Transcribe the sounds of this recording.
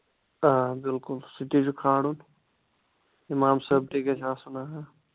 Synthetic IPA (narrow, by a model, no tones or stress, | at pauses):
abɪlkulsiʈid͡ʒukʰaːɽun | imaːmsəb̚ʈʰiket͡ʃʰaːsunaɦa